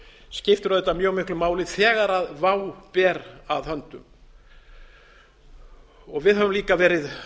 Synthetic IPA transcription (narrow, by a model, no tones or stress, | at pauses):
scɪft̪ʏɾaðɛt̪ːamjœːɣmɪhklʏmaːwlɪðθɛːɣaɾaðvaːwpɛːɾaðhœnt̪ʏ̰m | ɔɣvɪðɦavʏmliːkavɛːɾɪð